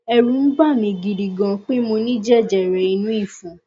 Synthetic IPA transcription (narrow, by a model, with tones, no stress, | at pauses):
ɛ˧ɾũ˧˦n̩˦ba˦˨mĩ˧ɡi˨ɾi˨ɡã˧k͡pe˦mo˧nĩ˦d͡ʒɛ˦˨d͡ʒɛ˨ɾɛ˨i˧nũ˦i˦˨fũ˨